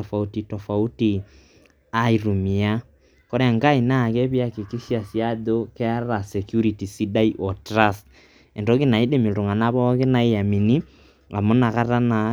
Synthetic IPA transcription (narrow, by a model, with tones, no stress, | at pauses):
ɔfa˨uti˨tɔfa˨u˦ti˨ | a˦iɾu˨mi˨a˦ | ko˦ɾea˨ŋɡa˦i˨na˦˨ɣɛ˦βja˦ke˨ki˦ʃja˨sja˦ðo˦ke˦a˦ɾa˨sɛkju˦ɾiti˨si˦da˦iʔɔ˨tɾa˦st | ɛ˨ndɔ˦ɣi˦na˨i˦de˦mi˨ɾo˨ŋa˨na˦βɔ˦ɣe˦na˨e˦ja˨mi˨ni˦ | ŋɡa˨mo˦na˨ɣa˦ɾa˦na˨